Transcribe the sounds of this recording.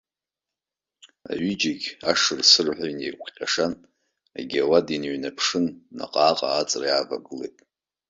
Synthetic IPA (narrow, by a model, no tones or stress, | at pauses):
a̰ɥid͡ʒiɡʲaʂɨrsɨrħʷaɥnejkʷʰqʲʼaʂan | a̰ɡʲawadinɥnapʰʂɨnːa̰qʼaːqʼa̰ːt͡sʼriava̰ɡɨlḛjtʼ